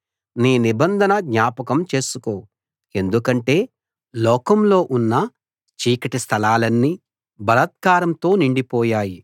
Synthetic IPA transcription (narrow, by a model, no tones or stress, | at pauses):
niːnibɐnd̪ʱɐnɐd̪ɲaːpɐkɐmt͡ʃe̞ːsuko̞ːw | e̞nd̪ukɐɳʈe̞ː | lɔːkɐmlo̞ːʔunːɐ | t͡ʃiːkɐʈist̪ʰɐlaːlɐnːi | bɐɾɐt̪̚kaːɾɐmt̪o̞ːniɳɖipɔːjaːji